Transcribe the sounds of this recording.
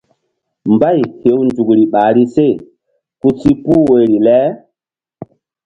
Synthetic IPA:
mba˦˨jhe˨˦wnd͡ʒu˨kɾi˨ɓaː˨ɾi˦se˦˨ | ku˦si˦pu˦we˨ɾi˨lɛ˦

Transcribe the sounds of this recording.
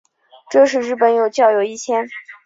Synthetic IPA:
ʈ͡ʂɤ˥˧ʂ̬ɻ̩˥˧ɻɻ̩˥˩pə˧˩njo˨˩ʊt͡ɕjɑ˥˩ʊjo˨˩ʊi˥˩t͡ɕʰjɛ˥n

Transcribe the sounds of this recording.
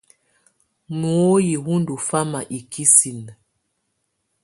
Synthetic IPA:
mu˨o˦ji˨hu˦ndu˨fa˦ma˨ʔi˨ki˦si˨n

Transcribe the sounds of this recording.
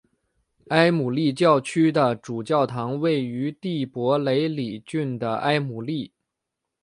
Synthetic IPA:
a˥ɪmu˨˩li˥˧t͡ɕjɑ˥˩ʊt͡ɕʰy˥d̪ə˨ʈ͡ʂu˨˩t͡ɕjɑ˥˩ʊt̪ʰɑ˧˥ŋwe˥˩ɪy˧˥t̪i˥˩pwɔ˧˥le˧˥ɪli˨˩t͡ɕy˥˩nd̪ə˩ʔa˥ɪmu˨˩li˥˩

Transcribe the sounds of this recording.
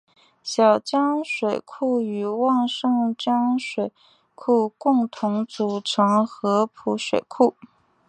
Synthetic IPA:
ɕjɑ˨˩ʊt͡ɕjɑ˥ŋʂwe˨˩ɪkʰu˥˩y˨˩wɑ˥˧ŋʂɤ˥˧ŋt͡ɕjɑ˥ŋʂwe˨˩ɪ | kʰu˥˧kʊ˥˩ŋt̪ʰʊ˧˥ŋt͡su˧˥˩ʈ͡ʂʰɤ˧˥ŋxɤ˧˥pʰu˧˥ʂwe˨˩ɪkʰu˥˩

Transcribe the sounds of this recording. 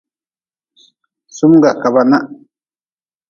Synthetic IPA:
su˦mɡa˨ka˨ba˦na˦ʔ

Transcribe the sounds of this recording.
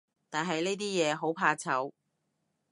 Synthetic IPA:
t̪aː˨nɦɐ˨jneː˥t̪iː˥jɛː˨˧ɦo˨˥wpʰaː˧t͡sʰɐ˨˥w

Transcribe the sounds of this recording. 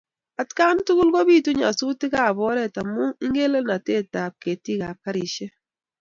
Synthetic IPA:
a˨tka˦n˦tu˦ku˦lɡo˦bi˦˨tu˦ɲa̰˨su˦tɪ˦ka˦˨bɔ˦ɾɛ˦˨ta˨mʊ˦i˦ŋɡe˦le˦na˨te˦˨ta˨p̚ke˨ti˦ka˨ka˦ɾi˨ʃe˦

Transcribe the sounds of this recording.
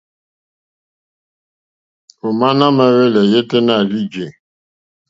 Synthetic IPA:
o˨ma˦na˦me˦ɣe˦le˨je˦te˦na˦˨li˦d͡ʒe˨

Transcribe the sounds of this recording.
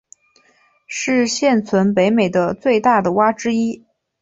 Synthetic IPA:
ʂɻ̩˥˧ɕjɛ˥˩nt͡sʰwə˧˥np̬e˧˥ɪme˨˩ɪd̪ə˦t͡swe˥˧ɪt̪a˥˩d̪ə˩wa˥ʈ͡ʂɻ̩˥i˥

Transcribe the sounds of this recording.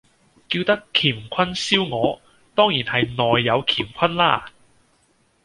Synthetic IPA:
kiː˧wt̪ɐ˥kʰiː˨˩mkʷʰɐ˥nsiː˥wŋɔː˨˧ | t̪ɔː˥ŋjiː˨˩nhɐ˨jnɔː˨jːɐ˨˧wkʰiː˨˩mkʷʰɐ˥nlaː˥˩

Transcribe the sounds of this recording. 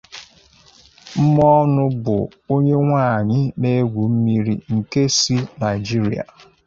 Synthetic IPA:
m̩˦mɔ˦nʊ˦bʊ̰˨ | o˦ɲe˦ŋʷaː˦˨ɲɪ˦ne˦ɡʷu˨m̩˦mi˦ɾi˦ŋ̩˨ke˦si˦na˨ɪ˨d͡ʒi˦ɾḭ˨a̰˨

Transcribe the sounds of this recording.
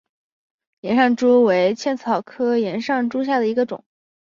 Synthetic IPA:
jɛ˧˥nʂɑ˥˩ŋʈ͡ʂu˥we˧˥ɪt͡ɕʰjɛ˥˩nt͡sʰɑ˨˩ʊkʰɤ˥jɛ˧˥nʂɑ˥˩ŋʈ͡ʂu˥ɕ̬ja˥˩d̪ə˩i˧˥ɡə˧ʈ͡ʂʊ̰˨˩˦ŋ

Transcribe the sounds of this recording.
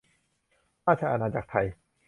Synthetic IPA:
maː˥˩t͡ɕʰa˧˩ʔa˧naː˧˩t͡ɕaː˨˩k̚t̪ʰa˧j

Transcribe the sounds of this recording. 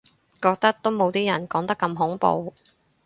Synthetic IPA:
kɔː˧k̚t̪ɐ˥k̚t̪o˥wmo˨˧wt̪iː˥jɐ˨˩nkɔː˨˥ŋt̪ɐ˥kːɐ˧mɦʊ˨˥ŋpo̰˧w

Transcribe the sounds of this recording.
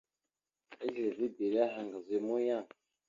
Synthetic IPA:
e˦ɡɾe˨zi˦be˨ɾi˦a˦ɦa˨ŋɡa˨ze˨mu˦ja˦˨

